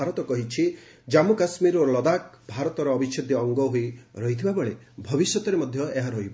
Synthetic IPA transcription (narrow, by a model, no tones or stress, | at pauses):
aɾɔt̪ɔkɔɦit͡ʃʰi | d͡ʒamukasmiɾolɔd̪ak̚ | bʱaɾɔt̪ɔɾɔːbit͡ʃʰɔd̪ʱjɔɔŋɡɔɦoiɾɔɦit̪ʰibabɔɭe | bʱɔbisjɔt̪ɔɾemɔd̪ʱjɔeɦaɾɔɦibɔ